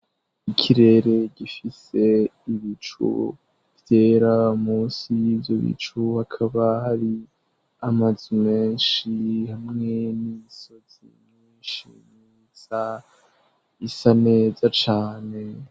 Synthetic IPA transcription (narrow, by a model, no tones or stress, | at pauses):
ikʰiɾe̞ɾe̞ɟifise̞iβit͡ʃṵ | vje̞ːɾamuːnsijiːbjo̞βḭt͡ʃuhakʰaβahaɾi | amazume̞ːnʃihamŋe̞niso̞z̥ḭm | iːʃḭnii | sa | isane̞ːzat͡ʃaːne̞